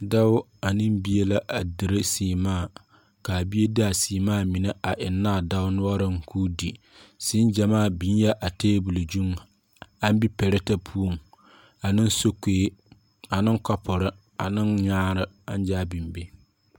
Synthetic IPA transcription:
da˦wʊ˦ | a˨nɨ˦m˦bi˦e˦la˦ʔa˨dɨ˨ɾɨ˦siː˨maː˦˨ | ka˨bi˦e˦dɨ˦a˨siː˨maː˦˨mi˨ne˦ʔa˨ʔɪ˨nːaː˦˨da˦ʊ˦nʊ˦ɔ˦ɾɨ˦ŋ˨kʰuː˦di˨ | si˦n˦d͡ʒɛ˨maː˦˨bi˦njɛ˦ʔa˨teː˦bu˨lɨ˨d͡ʒu˦ŋ | a˦n˦bi˦pɛ˨ɾɪ˦ta˦pʰu˦o˦˨ŋ | a˨nɨ˦n˦so˦keː˦ | a˨nɨ˦ŋkɔ˦pʊ˨ɾɨ˦ | a˨nɨ˦nɲaː˦ɾɨ˨a˦n˦d͡ʒaː˦bi˨mbe˦

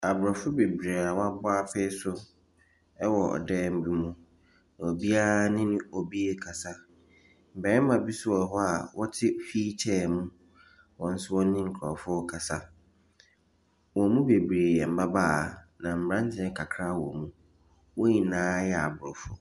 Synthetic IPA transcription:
a˨bʊ˨ɾɔ˨fʊ˦be˨bɾe˨a˨wa˦bʊ˦a˦fe˦sʊ˦ | ɛ˦wɔ˨ɔ̰˨dɛː˦m̩˦bu˦mũ˦ | nã˨o˨bi˦a˦nɪ̃˦nʊ̃˦o˨bi˦e˦kʰa˨sa˦ | m̩˨bɛ˨˦ɛ˦mã˨bi˦sʊ˦ɔ˨ɦɔ˦a˨wʔɔ˦tʰɪ˦fiː˦t͡ɕʰɛː˦˨mũ˦ | wɔ̃˨n̩˦sʊ˦wɔ̃˦n˦nɪ̃˦ŋ̩˨kʰɔ˨fʊ˦kʰa˨sa˦ | wɔ˨mũ˦be˨bɾeː˨jɛ˨m̩˦˨ba˦baː˦˨nã˨m̩˨ã˦n˦tʰɪ̃˦ɛ˦kʰa˨kʰɾa˦wɔ̰˨mũ˦ | wo˦ɲĩ˨nãː˦jɛ˦a̰˨bʊ˨ɾɔ˨fʊ˦

